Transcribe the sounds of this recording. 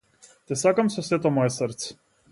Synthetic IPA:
t̪ɛsakamsɔsɛt̪ɔmɔjɛsəɾt̪s

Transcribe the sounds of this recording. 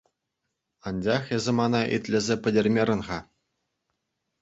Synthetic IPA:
ɑnʲd͡ʑɑχezʲɘ̆mɑnɑʔḭt̪ʲlʲɘ̆zʲepʲɘ̆dʲĕrʲmʲerʲɤ̆nʁɑ

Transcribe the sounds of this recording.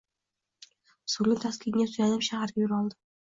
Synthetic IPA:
sʊlɪt̪ʰaskʲɪŋʲasʊjad̪ɪpʃahaɾɡʲajʊɾɒlˠd̪ɪ̥

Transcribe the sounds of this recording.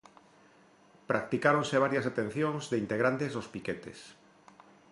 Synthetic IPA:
pɾak̚t̪ikaɾonseβ̞aɾjasat̪ẽn̟θjoŋzðeint̪eɣɾant̪ezðospiket̪ḛs

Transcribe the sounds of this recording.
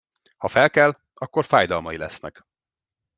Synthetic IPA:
hɒfɛlkɛlː | ɒkːorfaːjd̪ɒlmɒjilɛsnɛ̰k

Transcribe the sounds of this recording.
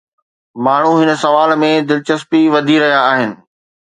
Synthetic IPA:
maːɳ̤ũɦɪnəsɐʋaːlmẽd̪ɪlt͡ɕəspiʋɐd̪ʱiɾɐɦijaːɦɪnɪ̆

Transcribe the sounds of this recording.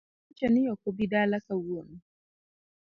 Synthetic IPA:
t͡ʃanijɔkɔbidalakawoni

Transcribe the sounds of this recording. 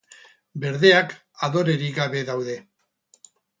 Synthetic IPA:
be̞ɾðe̞ak | aðo̞ɾe̞ɾiɡaβe̞ðawðe̞

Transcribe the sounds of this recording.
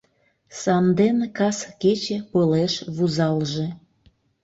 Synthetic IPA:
sɑnd̪enkɑsket͡ɕepəleʃβuzɑlʒe

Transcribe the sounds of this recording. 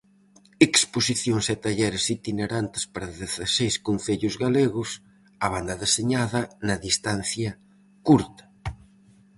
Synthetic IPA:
eksposiθjoŋsɛt̪aʎɛɾesit̪ineɾant̪ɪ̥spaɾɐðeθasejskonθeʎʊzɣaleɣʊs | aβand̪ɐðeseɲaðɐnɐðist̪an̟θjɐ | kuɾt̪ɐ̥

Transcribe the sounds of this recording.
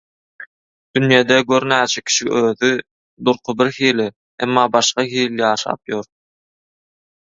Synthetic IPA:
d̪̥ynjeːd̪ɛɡøɾnæːt͡ʃʰekʲʰi̥ʃiøːði | d̪uɾqʰʊbiɾxiːli | emːɑːbɑʃqɑxiːljɑːʃɑ̰ːpjoɾ

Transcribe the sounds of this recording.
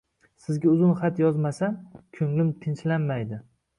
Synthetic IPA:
sɪzɡʲaʊzʊnχat̪jɒzmasankʲʰɵŋlɪmt̪ʰɪnt͡ʃlanmajd̪ɪ

